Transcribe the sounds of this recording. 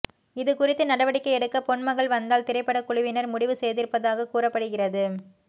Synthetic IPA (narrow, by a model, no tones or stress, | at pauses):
ɪðɯkʊrɪt̪ːɯnɐɽɐʋɐɽɪkːɐɪɛɽɯkːɐpɔɳmɐɣɐɭʋɐnd̪aːlt̪ɪɾɐɪpːɐɽɐkʊɭʊʋɪnɐɾmʊɽɪʋɯsɛjðɪɾɯpːɐðaːɣɐkuːrɐpːɐɽɯɣɪrɐðɯ